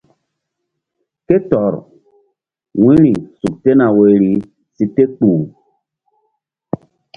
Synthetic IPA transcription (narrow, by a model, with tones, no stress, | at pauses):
ke˦tɔ˨ɾ | wĩ˦ɾi˨su˨k̚te˦na˨we˨ɾi˨ | si˦te˦k͡puː˨